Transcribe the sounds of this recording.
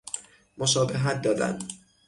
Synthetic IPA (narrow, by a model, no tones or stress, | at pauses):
moʃɒːbeɦæt̪̚d̪ɒːd̪æ̰nd̪̥